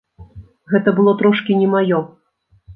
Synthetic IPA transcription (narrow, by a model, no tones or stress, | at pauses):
ɣɛt̪ɐbɨlˠɔt̪ɾɔʂkʲinʲɛmajɔ